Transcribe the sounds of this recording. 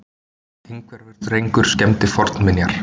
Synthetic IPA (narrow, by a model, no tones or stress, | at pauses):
ejŋkvɛɾvɛɾ̥t̪rejŋkʏɾ̥scɛmt̪ɪfɔɾt̪nmɪnjaɾ̥